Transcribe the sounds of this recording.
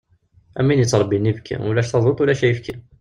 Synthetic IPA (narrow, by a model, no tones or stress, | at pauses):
æmːinjət͡sːɑɾˤbinːibkʰæ̰wəlæʃt̪ɑðˤot̪ˤwlæʃæjəfki